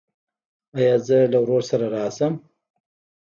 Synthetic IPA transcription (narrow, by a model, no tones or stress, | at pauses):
ajɑːzəlawɾoɾsaɾaɾɑsəm